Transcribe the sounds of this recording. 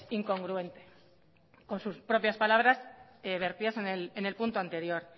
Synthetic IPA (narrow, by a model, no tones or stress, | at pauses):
iŋko̞ŋɡɾue̞nt̪e̞ | ko̞nsuspɾo̞pjaspalaβ̞ɾaseβe̞ɾt̪iðasenelene̞lpunt̪oant̪e̞ɾjo̞ɾ